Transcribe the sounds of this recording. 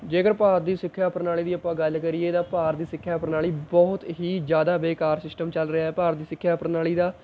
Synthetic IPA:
d͡ʒeːkəɾpaːɾd̪iːsɪkʰːjaːpəɾnaːɭiːd̪iːəpːãːɡəlkəɾieːt̪ãːpaːɾd̪iːsɪkʰːjaːpəɾnaːɭiːbɔːʊt̪ɦiːd͡ʒjaːd̪aːʋeːkaːɾsɪsʈəmt͡ʃəlɾəɪaːɛːpaːɾd̪iːsɪkʰːjaːpəɾnaːliːd̪aː

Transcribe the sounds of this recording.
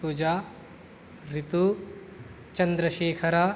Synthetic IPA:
puːd͡ʒaː | ɾit̪u | t͡ʃɐnd̪ɾɐʃeːkʰɐɾa

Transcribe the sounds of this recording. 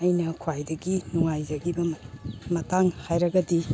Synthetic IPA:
ɐjnɐkʰwajdɐɡinuŋajd͡ʒɐɡibɐmɐtaŋhajɾɐɡɐdi

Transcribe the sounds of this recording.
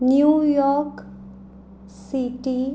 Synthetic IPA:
njujɔɾk | siʈi

